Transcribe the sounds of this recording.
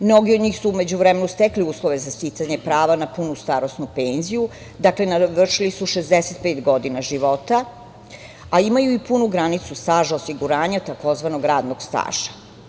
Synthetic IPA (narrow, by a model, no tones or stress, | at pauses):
mno̞ɡiod̪ɲiːxsume̞d͡ʑuʋɾemenust̪ekliuːslˠoʋe̞zast̪it̪saɲepɾaːʋanapunust̪aɾo̞snupeːnziju | d̪akle̞naʋr̩ʂilisuʃezd̪eset̪̚peːt̪ɡo̞d̪inaʒiʋo̞t̪a | aimajuipunuɡɾanit̪sust̪aːʒaosiɡuɾaːɲat̪ako̞zʋanoɡɾaːd̪noɡ̥st̪a̰ːʒ̥ḁ